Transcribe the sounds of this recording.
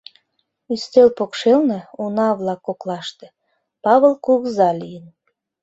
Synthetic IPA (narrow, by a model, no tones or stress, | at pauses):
yst̪elpokʃelneunɑβlɑkːoklɑʃt̪ĕ̥ | pɑβəlkuɣzɑlijən